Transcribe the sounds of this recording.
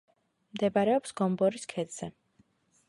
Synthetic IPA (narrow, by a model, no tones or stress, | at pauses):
md̪ɛbaɾɛɔpsɡ̥ɔmbɔɾiskʰɛd̪z̥ɛ